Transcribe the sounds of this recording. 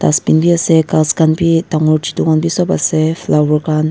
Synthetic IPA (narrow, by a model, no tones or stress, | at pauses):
t̪aspinbiasɛkaskanpit̪aŋuɾt͡ʃit̪uŋanbisɔba̰sɛflawəkan